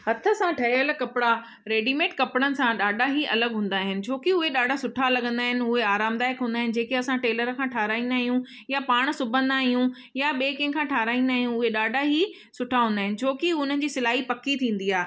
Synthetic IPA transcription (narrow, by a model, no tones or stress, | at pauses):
hɐt̪ʰə̆sãʈʰɐɪələkɐpɪɽa | ɾeːɖimeːʈkɐpɽənɪ̆sãɗaːɖʱaɦiʔɐləɡɦũːnd̪aːɦɪnɪ̆t͡ɕʰoːkɪʊɦeɗaːɖʱasʊʈʰalɐɠə̃nd̪aːɦɪnɪ̆ʊɦeaːɾaːmd̪aːɪkɦũːnd̪aːɦɪnɪ̆d͡ʑeːkeɐsãʈeːləɾkʰãʈʰaːɾaːĩːnd̪aːɦijũ | japaːɽ̃sʊbʱə̃nd̪aɦijũ | jaɓeːkẽkʰãʈʰaːɾaːĩnd̪aːɦijũʊɦeɗaːɖʱaɦi | sʊʈʰaɦũːnd̪aːɦɪnɪ̆t͡ɕʰoːkiʊn̤ənɪ̆d͡ʑiːsɪlaːɦipɐkit̪ʰĩːn̆d̪iaːɦe